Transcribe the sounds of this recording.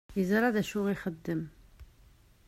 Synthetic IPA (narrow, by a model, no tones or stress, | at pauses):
izəɾˤɑðæʃuʁiχəd̪ːəm